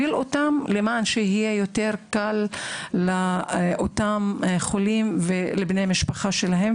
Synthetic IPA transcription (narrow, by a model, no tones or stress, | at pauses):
ilotamlemaːnʃehijejoteʁkalː | aʔotamχolimvelebneamiʃpaχaʃelaɦem